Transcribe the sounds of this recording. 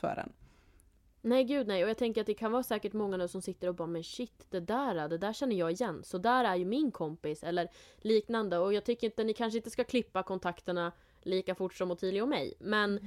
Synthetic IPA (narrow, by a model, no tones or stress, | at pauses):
fœ̰ːɖɛ̰n | nɛjɡʉ̟ːd̪nɛjɔjɑːt̪ʰɛŋkəɾat̪̚d̪ɛkʰanvɑːɾsɛːkəʈmɔŋːanʉːsɔmsɪt̪ːəɾɔbɑːmɛnɕɪt̪ːd̪ɛd̪æːɾad̪ɛd̪æːɕɛnːəjɑːɡɪjɛnːsɔd̪æːɾæɾjɵmɪnkʰɔmpɪsɛlːəɾliːknand̪əɔjɑːɡ̚t̪ʰʏkːɾjɪnt̪ənɪkʰanʂ̬əɪnt̪əskakʰlɪpːakʰɔnt̪ʰakt̪əɳa | liːkafʊʈːʂɔmɔt̪ʰid̪ɪɡaɔmːɛ̰jmɛn